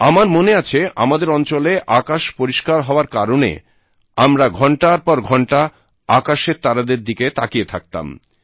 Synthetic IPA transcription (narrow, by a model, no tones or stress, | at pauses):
amaɾmoneat͡ɕʰeʔa̰mad̪eɾɔnt͡ɕoleʔakaʃpoɾiʃkaɾɦɔoaɾkaɾonḛ | amɾaɡʱɔɳʈaɾpɔɾɡʱɔɳʈa | akaʃeɾt̪aɾad̪eɾd̪iket̪akiet̪ʰak̚t̪a̰m